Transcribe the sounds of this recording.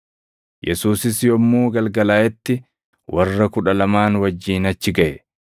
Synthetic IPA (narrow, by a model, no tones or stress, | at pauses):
jɛsuːsɪsjɔmːuːɡɐlɡɐlaːʔɛt̪ːɪ | wʔɐrːɐkʊᶑɐlɐmaːnwɐd͡ʒːiːnɐt͡ʃːɪɡɐʔɛ